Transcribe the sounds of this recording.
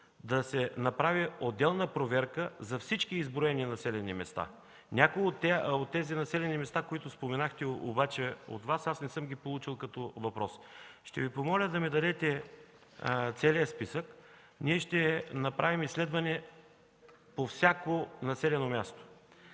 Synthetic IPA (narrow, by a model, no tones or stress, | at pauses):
d̪ɐsɛnɐpɾaviod̪ːɛlˠnəpɾovɛɾkəzɐfsit͡ʃkiːzbɾoɛninɐsɛlɛnimɛst̪a̰ | nʲakʊjot̪ːɛot̪ːɛzinɐsɛlɛnimɛst̪akoit̪ʊspomɛnaxt̪ɛo̰bat͡ʃɛo̰t̪vasasnɛsɤmɡʲipolˠut͡ʃilˠkɐt̪ɔvɐpɾɔsʃt̪ɛ̰vipomɔlʲəd̪ɐmid̪ɐd̪ɛt̪ɛ | t̪sɛliəspisək | niɛʃt̪ɛnɐpɾʔavimislɛd̪vɐnɛ | pofsʲakonɐsɛlɛnomʲjast̪o̥